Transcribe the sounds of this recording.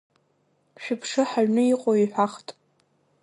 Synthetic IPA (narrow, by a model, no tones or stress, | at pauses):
ʃᶣʊpʰʂɨħaɥnɨiqʼoiħʷᶣaχtʼ